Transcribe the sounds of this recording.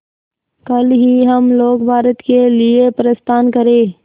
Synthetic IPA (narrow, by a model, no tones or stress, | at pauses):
kəlɦiɦɐmloːkbʱaːɾət̪keliepɾəst̪ʰaːnkəɾẽː